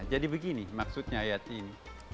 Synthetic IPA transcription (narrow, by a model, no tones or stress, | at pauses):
d͡ʒadibəɡinimak̚sʊt̪̚ɲaajat̪iːni